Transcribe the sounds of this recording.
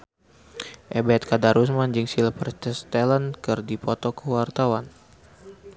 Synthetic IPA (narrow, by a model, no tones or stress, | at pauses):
ʔɛbɛt̪̚kadaɾus̬mand͡ʒɨŋsilpərtəst̪elənkɨrdipɔt̪ɔkəwart̪awan